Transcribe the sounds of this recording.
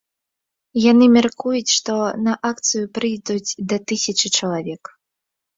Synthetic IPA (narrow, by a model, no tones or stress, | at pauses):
janɨmʲarkujut͡sʲʂt̪ɔnɐʔak̚t̪sɨjupɾɨjd̪ud͡zʲd̪ɐt̪ɨsʲɐt͡ʂɨt͡ʂɐlˠavʲɛk